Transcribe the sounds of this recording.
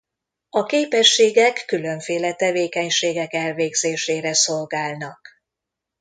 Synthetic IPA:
ɒkeːpɛʃːeːɡɛkːylø̞ɱfeːlɛt̪ɛveːkɛɲʃeːɡɛkɛlveːɡz̥eːʃeːɾɛso̞lɡaːlnɒk

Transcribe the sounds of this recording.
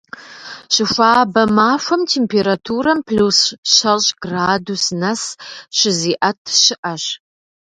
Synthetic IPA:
ɕɪfʷaːbɐmaːfʷɐmtʰeːmpʰeːɾatʰuːɾɐmpʰɬusɕɐlɕɡraːdusnɐsɕɪziːʔɐtʰɕɪʔɐɕ

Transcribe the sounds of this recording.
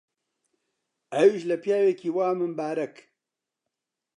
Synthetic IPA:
ɛwiʃlɐpjaːwekiːwaːmɨnbaːɾɐk

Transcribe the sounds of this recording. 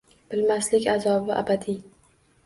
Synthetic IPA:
b̥ɪlmaslɪkʲazɒbɪʔa̰bat̪ʰi

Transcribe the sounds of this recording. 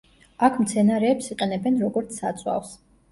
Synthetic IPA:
akʰmt̪sʰɛnaɾɛːpsiqʼɛnɛbɛnɾɔɡɔɾt̪sʰa̰t̪sʼwa̰fs

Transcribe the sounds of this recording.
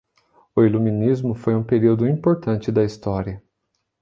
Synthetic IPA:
ʊilumĩnizmʊfojũpeɾiwd̪ʊĩpoɾt̪ɐ̃nt͡ʃɪd̪ɐist̪ɔɾiɐ

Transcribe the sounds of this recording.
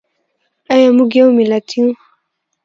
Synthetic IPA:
ajamuɡaumilatʰiu

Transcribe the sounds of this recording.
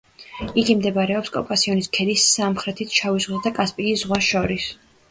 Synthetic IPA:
iɡimd̪ɛbaɾɛɔpskʼɔ̰pʼasiɔniskʰɛlisamχɾɛt̪ʰit̪ʰt͡ʃʰavizʁwzad̪akʼaspʼiːszʁwaʃɔɾis

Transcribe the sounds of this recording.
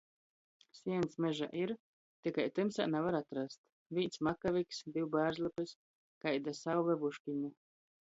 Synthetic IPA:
sʲiɛnt̪smɛʒa̰ʔiɾ | t̪ikajt̪ɨmsa̰ːnavaɾat̪ɾast̪ | vʲinsmakavʲiksd̪iwbæːɾzlˠɛpɨs | kajd̪asawvɛvuʃkʲiɲu

